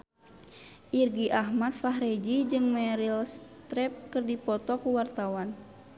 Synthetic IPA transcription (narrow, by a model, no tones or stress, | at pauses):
ʔirɡiʔaɦmat̪̚faɦɾɛd͡ʒid͡ʒɨŋmɛɾilst̪ɾɛp̚kɨrdipɔt̪ɔkuwart̪awan